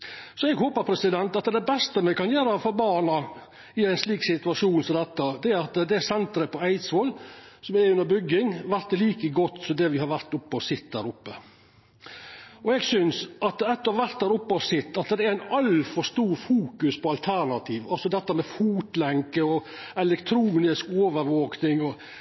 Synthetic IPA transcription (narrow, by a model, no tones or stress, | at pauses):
sɔɛɡhoːpəɾpʰɾɛsɪd̪ɛnt̪ɑt̪d̪ɛbɛst̪əmɛkɑnjøːɾɑfɔɾbɑːnɑ | ɪæɪnsliːksɪt̪ʉɑʂuːnsɔmd̪ɛt̪ːəd̪ɛæɾɑt̪d̪ɛsɛnt̪ɾəpʰɔæɪt̪sɔlsɔmɛʉnəɾbʏɡːɪŋʋæɾt̪ːliːkəɡɔt̪ːsɔmd̪ɛʋɪhɑɾʋæɾt̪ʊpːəɔsɪt̪ːd̪æːɾʊpːə | ɔɛɡsʏnsʔɑt̪ɛt̪ːɔɾʋæɾt̪̚d̪æːɾʊpːəɔsɪt̪ːɑt̪d̪ɛæɾæɪnɑlfɔɾʂt̪uːɾfuːkʉspʰɔɑlt̪ʰæɾɳɑt̪ʰiːʋɑlsɔd̪ɛt̪ːəmɛfuːt̪lɛŋkəɔ | ɛlɛkt̪ʰɾuːnɪskoːʋəɾʋoːknɪŋɔ